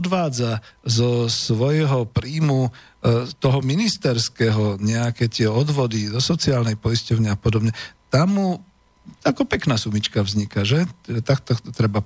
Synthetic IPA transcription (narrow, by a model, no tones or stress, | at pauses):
ɔd̪ʋaːd͡zazɔsʋɔjɦɔpɾiːmu | t̪ɔɦɔminist̪ɛɾskɛɦɔɲɛakɛt̪ɪɛɔd̪ʋɔd̪izɔsɔt͡siaːlnɛjpɔiscɔʊɲɪapɔd̪ɔbɲɛt̪amːu | akɔpɛknaːsumit͡ʃkavzɲikaʒɛt̪akt̪ɔkt̪ɔt̪ɾɛba